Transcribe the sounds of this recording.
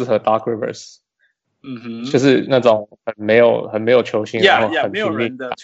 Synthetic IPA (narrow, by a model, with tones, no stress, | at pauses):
xə˧˥t̪ɑ˥kʰɹi˥˩və̰˨s | t͡ɕjjo˥˧ʊʂ̬ɻ̩˥˧na˥˩t͡sʊ˨˩ŋxə˨˩nme˧˦ɪjo˨˩ʊxə˨˩nme˧˥ɪjo˨˩ʊt͡ɕʰjo˧˥ʊɕi˥˧ŋɻã˨˦xo˥˩˨ə˨˩ni˨˧mi˥˧˨a˩